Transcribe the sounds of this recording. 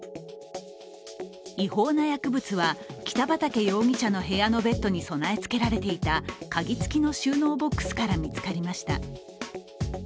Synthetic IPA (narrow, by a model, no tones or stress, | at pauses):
iho̞ːnajakɯ̟bɯ̟t͡sɨβakʲi̥t̪abat̪ake̞jo̞ːŋ̟ʲit͡ɕano̞ɦe̞ano̞be̞t̪ːo̞ɲ̟iso̞nae̞t͡sɨ̥ke̞ɾaɾe̞t̪e̞it̪akaɡʲit͡sɨ̥kʲino̞ɕɨːno̞ːbo̞kːɯ̥sɨ̥kaɾamʲit͡sɨ̥kaɾʲimaɕi̥t̪a̰